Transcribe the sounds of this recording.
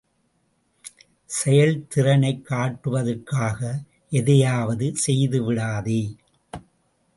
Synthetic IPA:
sɛjɐɭt̪ɪɾɐnɐɪkːaːʈːɯʋɐðɐrkːaːɣɐ | ʔɛðɐjaːʋɐðɯsɛjðɯʋɪɽaːðe

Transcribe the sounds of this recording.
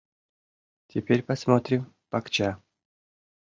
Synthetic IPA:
tʲepʲeɾʲpɐsmot̪ɾʲɪm | pɐkt͡ɕa

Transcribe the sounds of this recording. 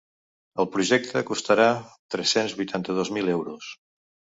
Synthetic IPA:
əlˠpɾuʒɛk̚t̪ʰəkust̪əɾat̪ɾɛsenzβujt̪ʰant̪əð̞ozmilɛwɾus

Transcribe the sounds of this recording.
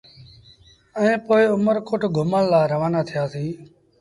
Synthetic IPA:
ɛẽːpoːɪʊməɾkʊʈʰɡʱʊməllaːɾəʋaːnaːt̪ʰɪjaːsiː

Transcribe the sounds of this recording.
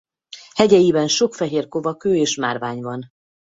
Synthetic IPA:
hɛɟɛjibɛnʃo̞kfɛɦeːrko̞vɒkøːeːʃmaːrvaːɲvɒn

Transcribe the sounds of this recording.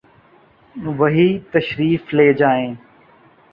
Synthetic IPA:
ʋɐɦiːt̪ɐʃɾiːfleːd͡ʒaːẽː

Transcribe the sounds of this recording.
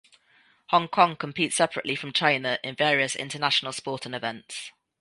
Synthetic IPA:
hɒ̃ŋkʰɒ̃ŋkʰə̃mpʰiˑtsɛpʰɹə̰ʔlifɹə̃mt͡ʃʰãɪ̃nəʔɪ̃nvɛːɹiəsɪ̰̃ntənaʃənəlˠspɔˑtʰə̃nɪvɛ̃nts

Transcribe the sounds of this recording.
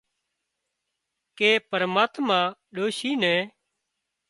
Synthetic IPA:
keːpəɾmaːt̪mãːɗoːʃiːnɛ̃ː

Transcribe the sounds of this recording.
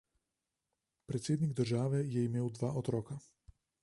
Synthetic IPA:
pɾɛt̪sjeːd̪niɡd̪ər̩ʒaːʋɛjɛimeːwd̪ʋaːʔot̪ɾoːka

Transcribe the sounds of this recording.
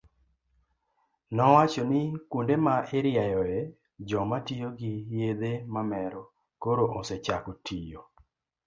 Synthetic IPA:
nɔwat͡ʃɔnɪkwundemaʔeɾjajɔe | d͡ʒɔmatijoɡɪjed̪emamɛɾɔ | koɾoʔoset͡ʃakotijo

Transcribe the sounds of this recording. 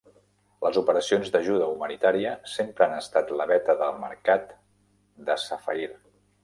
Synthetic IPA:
ləzupəɾəsionzd̪əʒuðəumənit̪aɾiəsempɾəanəst̪at̪ləβɛt̪əðəlˠməɾkat̪ | d̪əsəfəiɾ

